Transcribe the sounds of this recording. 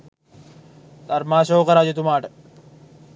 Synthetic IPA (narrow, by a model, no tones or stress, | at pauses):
t̪ɐɾmaːʃoːkɐɾaːd͡ʒɐt̪umaːʈɐ̥